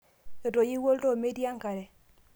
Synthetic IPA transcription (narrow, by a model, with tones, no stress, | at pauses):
jɔ˨to˨ji˦wo˦lto˦˨me˦di˦a˦ŋka˨ɾɛ˨